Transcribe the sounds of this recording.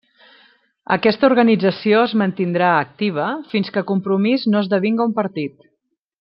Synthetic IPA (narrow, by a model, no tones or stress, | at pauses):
ə̰kɛst̪əuɾɣənid͡zəsioəzmənt̪ind̪ɾaək̚t̪iβ̞əfinskəkumpɾumiznoəzðəβ̞iŋɡəumpəɾt̪it̪